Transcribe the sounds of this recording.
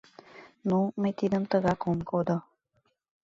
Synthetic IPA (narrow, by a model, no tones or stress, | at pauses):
numet̪id̪əmt̪əɡakomkod̪ə